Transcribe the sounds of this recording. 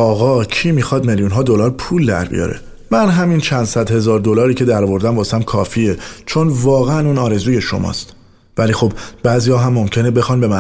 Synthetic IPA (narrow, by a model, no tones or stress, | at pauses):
ɒːɣɒːcʰiːmixɒːd̪meljunɦɒːd̪o̞lɒːɾpʰuːld̪æ̰ɾbḭjɒ̰ːɾe̞̰ | mænɦæmint͡ʃʰænd̪̥sæd̪he̞zɒːɾd̪o̞lɒːɾiːcʰe̞d̪æɾɔːvo̞ɾd̪æmbɒːsæmkʰɒːfiet͡ʃʰo̞nvɒːɣeænuːnɒːɾe̞zuːje̞ʃo̰mʔɒ̰st̪ | væliːxo̞bb̥æːziːjɒːɦæmːo̞mcʰe̞nebe̞xɒːnbe̞mæ